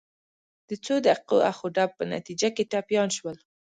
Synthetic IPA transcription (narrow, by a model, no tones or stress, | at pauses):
d̪̥ət͡sod̪əaqoaxoɖab̚pəna̰t̪id͡ʒakeʈɑpjɑnʃwəl